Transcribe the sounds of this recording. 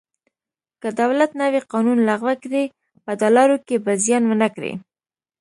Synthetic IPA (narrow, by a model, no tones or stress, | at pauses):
kəd̪awlat̪naweqɑnunlaɣwakɾe | pəd̪ɑlɑɾokebazijɑnwənakɾḛ